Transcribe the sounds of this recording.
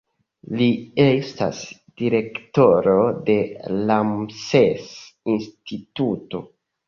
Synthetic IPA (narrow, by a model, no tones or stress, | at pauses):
liesta̰s | d̥iɾe̞kto̞ɾo̞de̞lamsesinstʰituto̞̰